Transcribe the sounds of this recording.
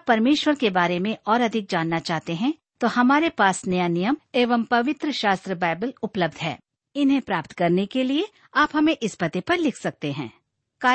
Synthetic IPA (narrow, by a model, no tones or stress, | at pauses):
pːɐɾmeːʃwəɾkebaːɾemẽʔɔːɾɐd̪ʱɪk̚d͡ʒaːnːat͡ʃaːɦt̪eɦɛ̃ | t̪ohɐmaːɾepaːsnɐjanijəmeːʋəmpɐʋɪt̪ɾəʃaːst̪ɾəbaːɪbəlʊpləb̚d̪ʱɦɛ̰ː | ɪnɦẽpɾaːpt̪kɐɾnekelie | aːpɦɐmẽʔɪspɐt̪epɐɾlɪkʰsɐk̚t̪eɦɛ̰̃ː | kaː